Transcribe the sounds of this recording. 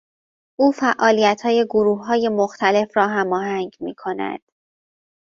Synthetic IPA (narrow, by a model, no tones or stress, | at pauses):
ʔuːfæʔɒːlijæt̪ʰhɒːje̞ɡoɾuːhːɒːje̞moxt̪ʰæle̞fɾɒːɦæmɒːɦæŋɟmiːkʰo̞næ̰d̪̥